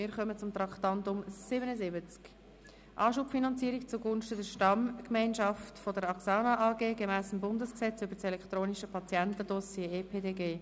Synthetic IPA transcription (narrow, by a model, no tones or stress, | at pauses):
ɪːɾχœmət͡sʊmt̪rɑktɑntʊmsɪbənəzɪbət͡sk | ʔɑːʃupfinɑnt͡siːəɾikt͡suɡʊnʃtədəʃtɑmkmaɪnʃɑftfodəɾɑksɑːnɑʔɑːɡeːɡemæːsəmbʊndəsksɛt͡sybəsɛlɛkχt̪ɾoːniʃəpʰɑt͡sjɛntədɔsjeepʰeːdeːɡeː